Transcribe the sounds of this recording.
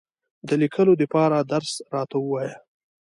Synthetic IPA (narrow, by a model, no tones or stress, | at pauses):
d̪əlikʰəlod̪əpɑɾad̪aɾsɾɑt̪awəwɑja